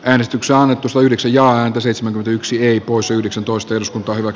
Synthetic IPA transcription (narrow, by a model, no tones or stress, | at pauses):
æːnest̪ykseɑnːet̪ːusɑt̪ɑyhdeksæjjɑːæːnt̪æseit̪semæŋkyment̪æyksieipoˑisjɑyhdeksænt̪oˑist̪ɑehrɾuskunt̪ˑɑːhyʋæks